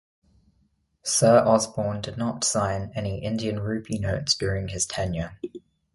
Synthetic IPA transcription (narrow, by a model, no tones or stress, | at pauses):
sɜːɹʔɒzbɔːndɪdⁿnətsãɪ̃nɛniʔɪ̃ndiə̃nɹʉˑpʰinəʊtsd̥jɔːɹɪ̃ŋɪz̥tʰɛ̃njɪ